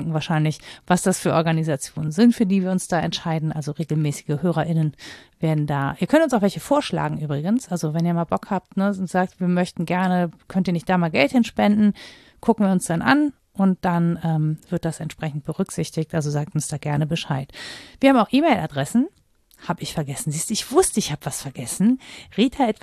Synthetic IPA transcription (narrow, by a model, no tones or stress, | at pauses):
ŋkŋ̩vaːɐʃaɪnlɪçv̥asd̥asfyːɐʔɔɐɡanizat͡sjoːnənzɪntfyːɐdiːviːɐʊnsd̥aːɛ̰ntʃaɪdn̩ʔalzoʁeːɡl̩mɛːsɪ̥ɡəhøːʁ̞ɐʔɪnənveːɐdn̩daːʔiːɐkʰœntʊnsaʊfvɛlçəfoːɐʃla̰ːɡŋ̩ʔyːbʁɪɡənsʔalzovɛniːɐmaːlbɔkhaːp̚tnəʊntz̥aːk̚tv̥iːɐmœçtn̩ɡɛɐnəkʰœntiːnɪçtd̥aːmaːlɡɛlthɪnʃpɛndn̩ | kʰʊkŋ̩viːɐʊnsd̥anʔa̰n | ʔʊnt̚d̥anɛːmv̥ɪɐt̚d̥asɛntʃpʁ̥ɛçn̩t̚b̥əʁʏkz̥ɪçtɪçktʔalzozaːk̚tʊnsd̥aːɡɛɐnəbəʃaɪtv̥iːɐaːmaʊxʔiːmɛɪlʔadʁɛsn̩ | haːbəɪçfɛɐɡɛsn̩ziːstuːɪçv̥ʊstəɪçhaːbəvasfɛɐɡɛsn̩ʁiːtʰaʔɛtv